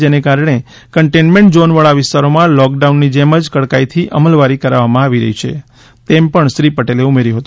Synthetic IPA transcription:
d͡ʒenekaɾɳe | kəɳʈenmeɳʈd͡ʒonʋəɭaʋɪst̪aɾomãlɔk̚ɖaunːid͡ʒeməd͡ʒkəɽkait̪ʰiʔəməlʋaɾikəɾaʋamãaʋiɾə̰ɦit͡ʃʰḛ | t̪empəɳʃɾipəʈeleumeɾjuɦət̪ũ

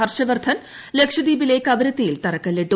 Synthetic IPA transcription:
ɦɐɾʃɐʋɐɾt̪ʰɐn | lekʂɐd̪iːbileːkɐbɐɾɐt̪iːlt̪ɐɾɐkɐlːeɖo

